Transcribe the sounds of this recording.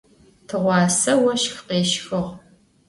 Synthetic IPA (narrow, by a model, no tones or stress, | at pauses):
tʰɨʁʷɑːsɐwɐʃxqeːʃxɨʁ